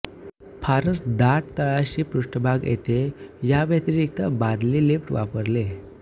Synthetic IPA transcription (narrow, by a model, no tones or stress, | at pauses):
pʰaɾəsd̪aʈ̚t̪əɭaɕiːpɾuʂʈəbʱaɡjḛt̪ejaʋət̪iɾik̚t̪əbad̪lilefʈʋa̰pəɾle